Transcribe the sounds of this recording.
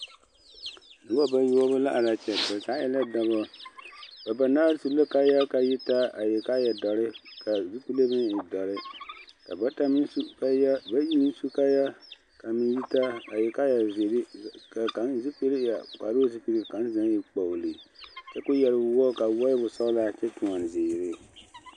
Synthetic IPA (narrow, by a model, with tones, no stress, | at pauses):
nɨ˦ba˦ba˦jɔ˦ɔ˦bɨ˦la̰˦ʔa˨la˨t͡ʃɛ˨ba˨za˨˦jɛ˦la˦da˦bɔ˦ | ba˨ba˨na˦su˨bla˦ka˦ja˦ka˨ji˦ta˦a˨jɛ˨ka˦jɛ˨dɔ˨ɾɪ˦ka˨zi˦k͡pu˦le˦bɨ˦ni˨dɔ˨ɾɪ˦ka˨ba˦ta˦mi˦n˦ja˦ba˦ji˦mi˦n˦su˦ka˦ja˦ | ka˨mi˦ji˦ta˦a˨jɛ˨ka˦ja˨ze˨ɾka˨ka˨˦nzi˦pi˦lɪ˦ja˨ka˨ɾo˦zi˦pi˦ɾi˦˨ka˨˦n˦za˦ni˨k͡pɔ˨li˨t͡ʃɛ˦kʊ˦jɛ˨lɪ˦wɔ˦ka˨wɔ˦ɪ˦bʊ˨sɔ˦la˦t͡ʃɛ˦t͡ʃu˨ŋɔ˨n˨zɪː˨ɾɪ˦